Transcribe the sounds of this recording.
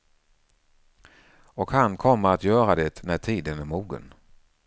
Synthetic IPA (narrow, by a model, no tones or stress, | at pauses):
ɔkhankʰɔmːəɾat̪jœːɾad̪ɛt̪næʈʰiːd̪ənæɾmuːɡə̰n